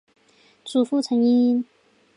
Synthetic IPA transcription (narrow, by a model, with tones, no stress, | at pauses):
t͡su˨˩fu˥t͡sʰə˧˥ŋi˥˧˥n